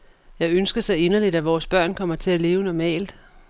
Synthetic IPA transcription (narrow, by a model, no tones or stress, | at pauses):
jɑ̈ɪønsɡ̥ɐsɑ̈ɪe̝nɐlid̥æʋɒːsb̥ɶɐ̰nkʰɒ̽m̰ɐt͡sʰe̝æle̝ːʊənɒmɛ̰ːld̥